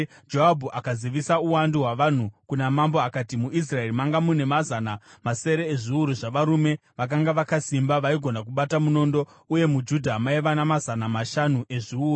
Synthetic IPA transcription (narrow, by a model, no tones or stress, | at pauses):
d͡ʒoabʱuʔakaziʋisauwandiɦwaʋan̤ukunamambo̞akatimuis̬rae̞ɾimaŋɡamune̞mazanamase̞ɾe̞ːʐiuɾuʐaʋaɾume̞ʋak̬aŋɡaʋakasimbaʋaiɡʱo̞nak̬uɓatamuno̞ndo̞ | uje̞mud͡ʒudʱamaiʋanamazanamaʃanuʔe̞ʐiuːu